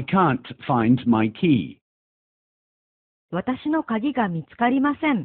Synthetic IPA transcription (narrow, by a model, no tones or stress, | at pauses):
ɪkʰãˑntfãɪ̃ndmaɪkʰiː | βat̪aɕino̞kaɡʲiɡamʲit͡sɨ̥kaɾʲimasẽ̞ɴ